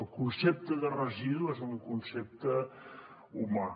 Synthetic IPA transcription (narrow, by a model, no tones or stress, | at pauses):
lˠkunsep̚t̪əðərəziðuezukunsep̚t̪ə | uma